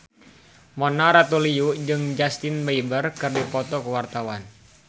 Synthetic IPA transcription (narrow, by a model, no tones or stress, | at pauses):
mɔnaɾat̪uliud͡ʒɨŋd͡ʒast̪ɪnbaibərkɨrdipɔt̪ɔkəwart̪awan